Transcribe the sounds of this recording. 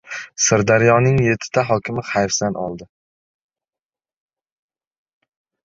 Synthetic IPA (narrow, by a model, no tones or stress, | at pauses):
sɪɾd̪aɾjɒnɪŋje̞t̪ʰːɪ̥t̪ʰaɦɒkʲɪmɪχajfsanʔɒ̰lˠd̪ɪ